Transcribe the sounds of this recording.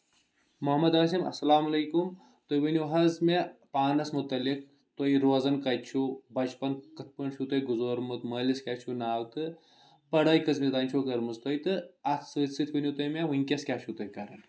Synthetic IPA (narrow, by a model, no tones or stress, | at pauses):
muɦɐmɐd̪aːs̬imɐ̰sɐlaːmɐlɐːkum | t̪ojʋɐnʲjuɦɐzmepaːnɐsmut̪ɐlik̚ | t̪ojɾoːzɐnkɐjt͡ʃʰubɐt͡ʃpɐnkɨt̪̚pɨɳʃʰut̪ɐjɡuzoːɾmɨt̪məːliskʲaːt͡ʃʰunaːwt̪ɨ | pɐɽɐːjkɐzmit̪aːnʲt͡ʃʰokɐɾmɨst̪oːjt̪ɨɐsɨːsɨt̪ʰʋɐnʲjut̪omeʋɨnʲkʲeskʲaʃʰut̪ɐjkɐɾɐn